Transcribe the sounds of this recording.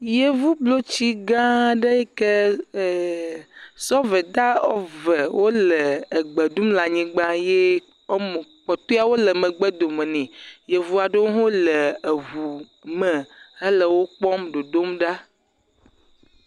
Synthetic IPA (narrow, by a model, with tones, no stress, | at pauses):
je˨vu˦blo˦t͡ɕi˦ɡã˦ɖə˦e˦ke˦˨ | sɔ˦vɛ˨d̪a˦ɔ̰˦vɛ˨wʔo˦lə˨e˨ɡ͡be˨ɖu˦mla˨ɲĩ˨ɡ͡bã˦je˦ | m˨k͡pɔ˨t̪o˦a˦wo˦lə˨mə̃˨ɡ͡bɛ˦d̪o˨mɛ̃˨nĩ˨je˨vu˦a˨ɖe˦wo˦ɦõ˦lə˨e˨vu˨ | mə˨e˦lə˨wo˦k͡pɔ˦mɖo˨d̪o˦mɖa˦